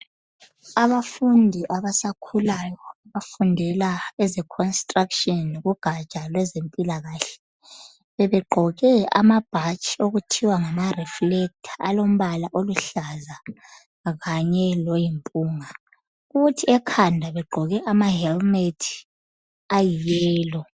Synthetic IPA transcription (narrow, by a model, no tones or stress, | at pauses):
aβafundʱiʔaβasakʰulajɔaβafundʱɛlaɛzɛkʰɔnstʼrakʃʼɔnɣuɡ̥ʱat͡ʃʼalwɛzempʼilaɣaːɬɛ̥ | βɛβɛɡ͡ǃʱɔɣɛa̰mab̥ʱat͡ʃʼioɣutʰiwaŋamariflɛk̚tʰḁalom̩βalaʔoluɬaza | ɣaɲɛlojimpʼuːŋa | uɣutʰiɛkʰandʱaβɛɡ͡ǃʱɔɣɛʔamaɦɛlmetʰi̥ | ajijɛːlɔ